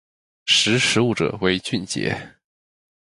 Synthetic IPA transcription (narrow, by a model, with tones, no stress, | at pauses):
ʂɻ̩˧˥ʂɻ̩˧˥u˥˩ʈ͡ʂɤ̰˨˩we˧˥ɪt͡ɕy˥˩nt͡ɕjɛ̰˧˥